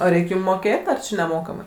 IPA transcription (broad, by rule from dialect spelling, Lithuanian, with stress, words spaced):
oː ˈrʲɛɪkʲ ˈjuːm ˈmoːkʲeːtʲ ɐr nʲɛˈmoːkɐmɐɪ